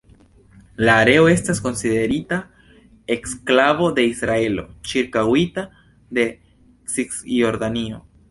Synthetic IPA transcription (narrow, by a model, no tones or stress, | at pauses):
laːɾe̞o̞e̞stasko̞nside̞ɾita | e̞ksklavo̞d̪e̞isɾae̞lo̞̰t͡ʃiɾkawita | d̪e̞ | siksjo̞ɾd̪anio̞̰